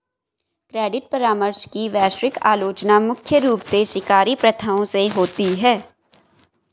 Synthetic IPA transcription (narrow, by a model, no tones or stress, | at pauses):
kɾeːɖɪʈ̚pɐɾaːməɾʃkiʋɛːʃɾɪka̰ːloːt͡ʃnamʊkʰjəɾuːpseʃɪkaːɾipɾɐt̪ʰaõseɦoːt̪iɦɛː